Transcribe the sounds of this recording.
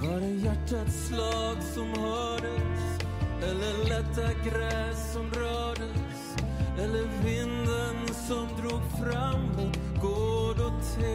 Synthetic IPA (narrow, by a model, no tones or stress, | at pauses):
vaɖɛjæʈːat̪slɑːɡsɔmhœːɖəs | ɛlːəlɛt̪ːaɡɾɛːsːɔmɾœːɖəs | ɛlːəɾvɪnd̪ənsɔmd̪ɾuːɡfɾamːʊt̪ɡ̥oːd̪ɔt̪ʰe